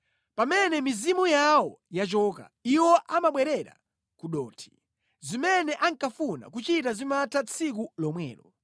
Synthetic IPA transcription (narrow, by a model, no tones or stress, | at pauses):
pamɛnɛmizimujawɔjat͡ʃɔka̰iwɔʔamaɓwɛɾɛɾa̰ | kuɗɔːtʰi̥ | zimɛnɛʔaŋkafuna̰kut͡ʃitazimatʰat͡sʰik̬ulɔmwɛ̰ːɾɔ